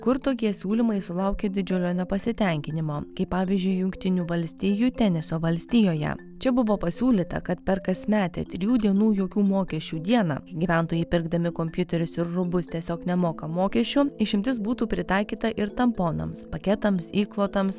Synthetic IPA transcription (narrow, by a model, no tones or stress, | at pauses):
kʊɾt̪oːkʲiɛsʲuːlʲimɐɪsʊlˠɐˑʊkʲeːd̪ʲɪd͡ʒʲʊlʲoːnʲɛpɐsʲɪt̪ʲɛŋʲkʲɪnʲɪmoːkɐɪpːɑːʋʲiːzʲd͡ʒʲʊɪjʊŋkt̪ʲɪnʲuːʋɐlʲsʲt̪ʲiːjut̪ʲɛnʲɪsoːʋɐlʲsʲt̪ʲijoːjɛ̰ | t͡ʃʲɛbʊʋoːpɐsʲuːlʲiːt̪ɐ̰kɐt̪pʲɛɾkɐsʲmʲæːt̪ʲḛt̪ʲɾʲɪjuːd̪ʲiɛnuːjoːkʲuːmoːkʲɛʃʲt͡ʃʲuːd̪ʲiɛnɑ̰ːɡʲiːʋʲæˑnt̪oːjɛɪpʲɪɾɡd̪ɐmʲɪkomʲpʲjʊt̪ʲɛɾʲʊsɪɾɾʊbʊst̪ʲiɛsʲoːknʲɛmoːkɐmoːkʲɛʃʲt͡ʃʲʊɪʃʲɪmʲt̪ʲɪs̬buːt̪uːpʲɾʲɪt̪ɑˑɪkʲiːt̪ɐʔɪɾt̪ɐmpoːnɐ̰mspɐkʲɛt̪ɐmsiːklˠoːt̪ɐms